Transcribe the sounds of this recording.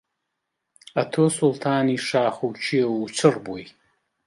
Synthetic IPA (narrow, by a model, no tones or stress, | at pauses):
atʰoːsultʰaːniʂaːχowt͡ʃʰijɐwut͡ʃʷʰɨrboj